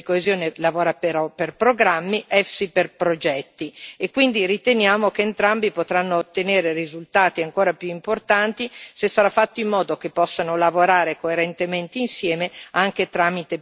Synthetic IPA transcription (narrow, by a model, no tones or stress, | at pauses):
ikoezjoːnelavoːɾapeɾɔperpɾoɡɾamːiʔɛfsiperpɾod͡ʒɛt̪ːiekːwind̪irit̪enjaːmok̟eːnt̪ɾambipot̪ɾanːoːt̪ːeneːɾerizult̪aːt̪iaŋkoːɾapjuimport̪ant̪isesːaɾafːat̪ːoimːɔːd̪ok̟epːɔsːanolavoɾaːɾekoeɾent̪ement̪einsjɛːmeaŋk̟et̪ɾaːmit̪e